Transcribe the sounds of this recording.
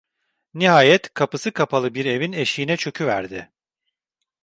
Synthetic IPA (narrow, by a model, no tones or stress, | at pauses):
niɦaːjɛt̪kʰapɯsɯkʰapʰalˠɯbiɾe̞vine̞ʃiːnɛt͡ʃʰø̞cʰyvæ̰ɾd̪ɪ